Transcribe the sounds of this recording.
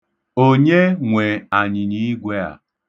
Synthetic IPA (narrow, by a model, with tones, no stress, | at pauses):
o˦ɲe˦ŋʷe˨a˨ɲɪ˨ɲi˦ɡʷe˦a̰˨